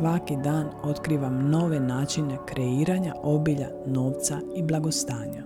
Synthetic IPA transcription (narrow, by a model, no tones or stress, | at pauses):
ʋakid̪aːno̞t̪kɾiːʋamno̞ʋe̞naːt͡ʃine̞kɾe̞iːɾaɲaʔo̞biʎa̰ | no̞ːʋt̪saiblˠaɡo̞st̪aːɲa